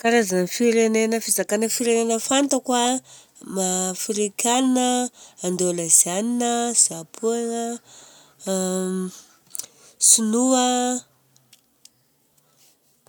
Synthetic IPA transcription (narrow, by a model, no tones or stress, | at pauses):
kaɾazanfiɾenenəfizakanəfiɾenenəfant̪əkwa | mafiɾikʲʰannəːnd̪oləz̥aninəz̥apuaŋə | sunua